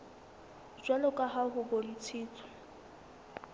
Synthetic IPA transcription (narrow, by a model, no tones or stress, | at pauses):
d͡ʒwalɔkʼaɦaɦʊbɔlit͡sʰiːt͡sʰʼɔ̥